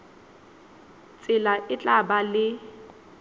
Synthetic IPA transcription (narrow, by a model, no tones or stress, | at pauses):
t͡sʼɪlaʔɪt͡ɬʼabalɪ